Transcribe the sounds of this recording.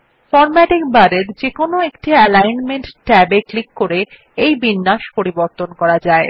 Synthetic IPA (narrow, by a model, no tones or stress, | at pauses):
fɔɾmɛʈikbaɾeɾd͡ʑekonoekʈiɛlajnmeɳʈʈɛbeklikːoɾe | ejbinːaʃpoɾiboɾt̪onkɔɾad͡ʑae